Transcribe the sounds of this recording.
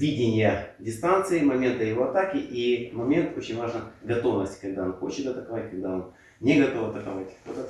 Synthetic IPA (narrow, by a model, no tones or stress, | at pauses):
vʲidʲɪnʲɪjədʲɪst̪ant̪sɨɪmɐmʲe̞nt̪əjɪvo̞ɐt̪akʲɪʔimɐmʲe̞nt̪ot͡ɕɪnʲvaʐnəɡɐt̪o̞vnəsʲtʲkɐɡ̚d̪aonxo̞t͡ɕɪt̪ɐt̪əkɐvatʲkɐɡd̪aon | nʲeɡɐt̪o̞fɐt̪əkɐvatʲt̪o̰d̪ə